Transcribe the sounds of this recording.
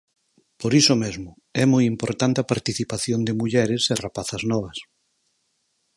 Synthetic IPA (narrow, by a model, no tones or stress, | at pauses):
poɾisomezmʊ | ɛmɔjimpoɾt̪ant̪ɪapaɾt̪iθipaθjond̪ɪmuʎɛɾɪserapaθɐznɔβ̞ɐs